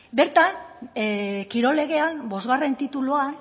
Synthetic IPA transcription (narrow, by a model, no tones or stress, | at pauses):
be̞ɾt̪an | kiɾo̞le̞ɣ̞e̞anbo̞zɣare̞nt̪it̪ulua